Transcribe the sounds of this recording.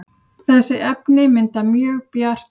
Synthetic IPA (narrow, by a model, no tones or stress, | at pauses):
θɛsːɪʔɛpnɪmɪnt̪amjœːɣpjar̥t̪